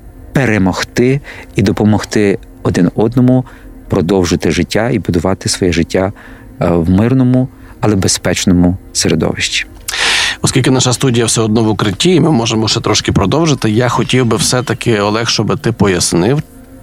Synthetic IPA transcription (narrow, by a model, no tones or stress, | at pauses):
peɾemɔxt̪ɪid̪ɔpɔmɔxt̪ɪ | ɔd̪ɪnɔd̪nɔmʊ | pɾɔd̪ɔwʒɪt̪ɪʒɪtʲːaibʊd̪ʊʋɑt̪ɪsʋɔjɛʒɪtʲːa | wmɪrnɔmʊ | ɐlˠɛbespɛt͡ʃnɔmʊseɾed̪ɔ̰ʋɪʃtʲi̥ | ɔskʲilʲkɪnaʃɐst̪udʲijɐwsɛɔd̪nɔʋʊkɾɪtʲːiːmɪmɔʒemɔʃɛt̪ɾɔʃkɪpɾɔd̪ɔwʒɪt̪ɪjaxɔtʲiwbɪwsɛt̪ɐkɪɔlˠɛxʃt͡ʃɔbɪt̪ɪpɔjɐsnɪw